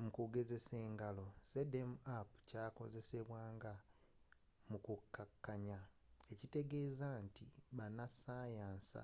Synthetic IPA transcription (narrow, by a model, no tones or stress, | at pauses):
mukuɡe̞ze̞se̞ːŋɡalo̞se̞demapucaːko̞̰ze̞se̞βwaːŋɡa | mukukːakːaɲae̞cite̞ɡe̞ːzantiβanasaːjaːnsa̰